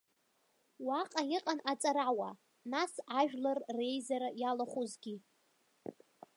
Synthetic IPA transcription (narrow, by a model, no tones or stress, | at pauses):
waqʼajiqʼanat͡sʼaɾawa | nasaʒᶣlarre̞jzaɾajalaχʷuzɡʲi